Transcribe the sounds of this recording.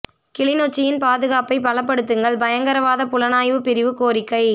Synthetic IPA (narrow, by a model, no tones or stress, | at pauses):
kɪɭɪnoːt͡ʃːɪjɪnpaːðɯɣaːpɐɪpɐlɐpːɐɽɯt̪ːɯŋɡɐɭbɐjɐŋɡɐɾɐʋaːðɐpʊlɐnaːjʋɯpɪɾɪʋɯkoːɾɪkːɐɪ